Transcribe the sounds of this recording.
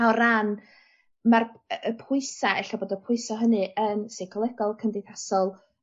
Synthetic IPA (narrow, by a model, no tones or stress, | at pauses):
awɾan | marəpʰʊɨsaɛɬaboːdəpʰʊɨsɔɦənɨʔənsekʰɔlˠɛɡɔlˠkʰəndejθasɔlˠ